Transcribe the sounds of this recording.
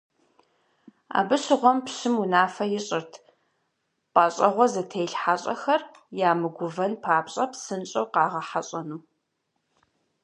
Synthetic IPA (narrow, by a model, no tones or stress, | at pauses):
a̰ːbɨɕɨʁʷɔmpɕɨmunaːfɐjɪɕʼɪrtʰ | pʼaːɕʼɐʁʷɔzɐtʰejɬħaɕʼɐ̰xɐr | jaːmɨɡʷʊvɐnpʰaːpɕʼɐpsɨnt͡ʃʼɐwqɑːʁɐħaɕʼɐnuː